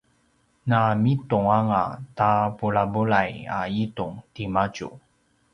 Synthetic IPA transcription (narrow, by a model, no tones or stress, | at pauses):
namituŋaŋatapuɭabuɭaja̰ituŋtimat͡ɕṵ